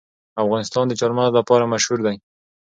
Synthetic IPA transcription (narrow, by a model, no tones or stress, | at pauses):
afɣɑnɪst̪ɑnd̪ət͡ʃɑɾmanlapɑɾamaʃhuɾd̪aj